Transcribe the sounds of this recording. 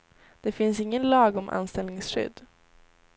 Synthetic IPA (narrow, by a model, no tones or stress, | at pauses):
d̪̥ɛfɪnsɪŋːənlɑːɡɔmʔa̰nst̪ɛlnɪŋsɧʏ̰d̪ː